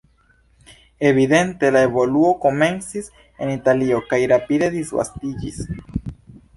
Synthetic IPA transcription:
e̞βid̪e̞nt̪e̞lae̞βo̞luo̞ko̞me̞nsis | e̞̰nit̪alio̞kajɾapide̞ðizɡa̰st̪id͡ʒḭs

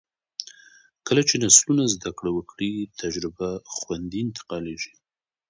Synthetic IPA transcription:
kəlat͡ʃenaslunazd̪akɽawəkɽit̪ʰad͡ʒɾɪbaxwand̪iɪnt̪ɪ̥qɑleʒi̥

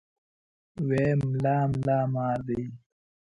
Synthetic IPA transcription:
weːmlaːmlaːmaːɾd̪ij

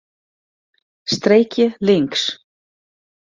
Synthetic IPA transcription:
st̪ɾeːjcɪlɪŋks

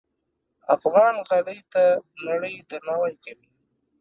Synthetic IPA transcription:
afɣɑnɣaləjt̪anaɽəjd̪aɾnawajkawi

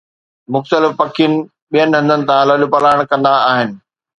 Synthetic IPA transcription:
mʊxt̪əlɪfpɐkʰijənɪ̆ | ɓijənɪ̆ɦɐ̃nd̪ənɪ̆t̪ãlɐlupɐlaːɪəɽ̃kɐ̃nd̪aaːɦɪnɪ̆

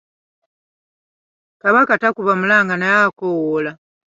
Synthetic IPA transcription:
kaβakatakuβamulaːŋɡanajakowola

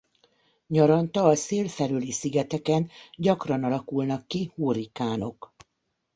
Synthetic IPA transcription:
ɲɒɾɒnt̪ɒːseːlfɛlylisiɡɛt̪ɛkɛnɟɒkrɒnɒlɒkulnɒkːihuːɾikaːno̞k

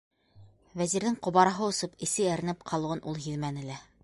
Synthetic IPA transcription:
væziɾðɘŋqŏβɑɾɑɦɤŏsɤpɘ̆sɘæɾɘ̆nɘp̚qʰɑlˠŭʁɤnʔulˠɦiðmænɘ̆læ

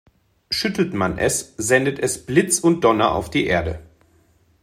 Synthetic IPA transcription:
ʃʏtl̩tmanʔɛ̰szɛndətʰɛsb̥lɪt͡sʊnt̚d̥ɔnɐʔa̰ʊfd̥iːʔeːɐdə

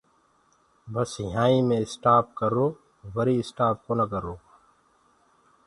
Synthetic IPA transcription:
bɐsɪɦaːimẽɪsʈaːp̚kɐɾoː | ʋɐɾiɪsʈaːpkonɐkəɾoː

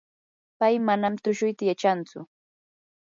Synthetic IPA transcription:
pajmanamt̪ʊʃʊjt̪ajat͡ʃant͡sʊ̰

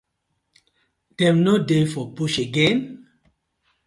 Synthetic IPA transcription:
d̥ɛ̃mnodefɔpuʃeɡɛ̃n

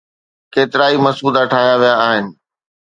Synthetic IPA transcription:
keːt̪ɪɾaːimɐsuːd̪aʈʰaːɦɪjaʋijaaːɦɪnɪ̆

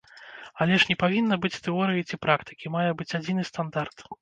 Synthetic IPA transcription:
alʲɛʂnʲɛpavʲinːɐbɨt͡sʲt̪ɛɔɾɨjit͡sʲipɾakt̪ɨ̥kʲimajɛbɨt͡sʲad͡zʲinɨst̪and̪art̪

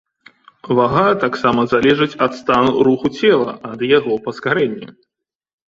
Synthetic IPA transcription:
vaɣat̪aksamɐzalʲɛʐɨt͡sʲɐt̪st̪anuɾuxut͡sʲɛlˠɐ̰ʔɐd̪jaɣɔpɐskaɾɛnʲːɛ̰

